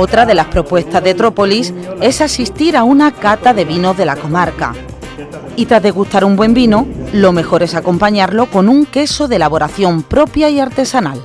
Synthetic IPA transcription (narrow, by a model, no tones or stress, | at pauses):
o̞t̪ɾaðe̞laspɾo̞pwe̞st̪azðet̪ɾo̞po̞lise̞sasist̪iɾaunakat̪aðe̞βino̞zðe̞lako̞maɾka̰ | it̪ɾazðe̞ɣust̪aɾumbwe̞mbinolo̞me̞xo̞ɾe̞sako̞mpaɲaɾlo̞ko̞nuŋke̞so̞ðelaβo̞ɾaθjo̞mpɾo̞pjaiaɾt̪e̞sanal